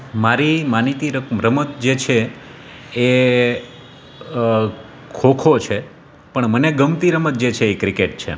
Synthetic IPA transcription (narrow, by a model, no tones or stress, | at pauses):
maɾimanit̪iɾəɾəmət̪̚d͡ʒet͡ʃʰeː | kʰokʰot͡ʃʰe | pəɳməneɡəmt̪iɾəmət̪̚d͡ʒet͡ʃʰeːkɾɪkeʈ̚t͡ʃʰḛ